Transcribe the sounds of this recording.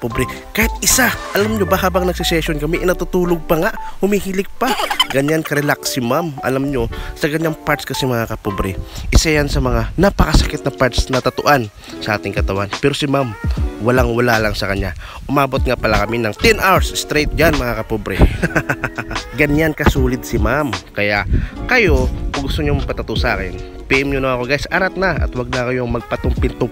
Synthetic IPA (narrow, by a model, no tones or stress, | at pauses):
pobɾɛ | kaːhɪt̪̚ʔɪsaʔɐlamɲo̞baɦaːbɐŋnɐɡ̚sɪsɛsonkɐmɛʔɪnɐt̪ut̪uːloɡ̚pɐŋaʔhʊmihilɪk̚paɡɐɲankɐɾɛlaksɪmamʔɐ̰lamɲo̞sɐkɐɲjaŋpaɾt̪skɐsɛmɐŋakɐpobɾɛʔɪsajansɐmɐŋanapɐkɐsɐkɪt̪̚nɐpaɹt̪snɐt̪ɐt̪ʊʔan | sɐʔaːt̪ɪŋkɐt̪ɐwanpɛɾosɪmamwɐlaŋwɐlalɐŋsɐkɐɲja | ʔʊmaːbot̪̚ŋapɐlakɐminɐŋt̪ɛnʔawsst̪ɾejt̪̚d͡ʒanmɐŋakɐpobɾɛ | ɡɐɲjankɐsuːlɪd̪̚sɪmamkɐjaʔkɐjo̞ɡʊst̪oɲomɐpɐt̪ɐt̪ʊʔsʔa̰ːkɪn | pɛʔɪmɲonɐɐko̞ɡajsʔaɾat̪̚nɐʔɐ̰t̪waɡ̚nɐkɐjoŋmɐɡ̚pɐt̪oŋpɪnt̪o